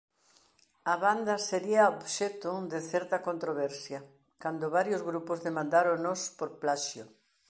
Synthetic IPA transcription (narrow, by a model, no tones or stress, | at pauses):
ɐβand̪ɐseɾiɐoβʃɛt̪ʊd̪ɪθɛɾt̪ɐkont̪ɾoβ̞ɛɾsjɐ | kand̪ʊβaɾjozɣɾupozðemãnd̪aɾonospoɾplaʃjo